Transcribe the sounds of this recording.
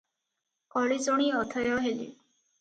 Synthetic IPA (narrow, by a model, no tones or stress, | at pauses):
kɔɭid͡zoɽ̃iɔt̪ʰɔjɔɦelḭ